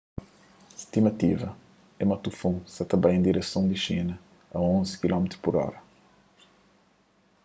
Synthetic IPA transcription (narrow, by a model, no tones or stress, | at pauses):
ist̪imɐt̪ivɐ | ɛmɐt̪ufõsɐt̪ɐbajẽnd̪iɾesɐ̃w̃d̪ɪʃinɐ | ɐõnzɪ̥kilɔmet̪ɾupɔɾɔ̰ɾɐ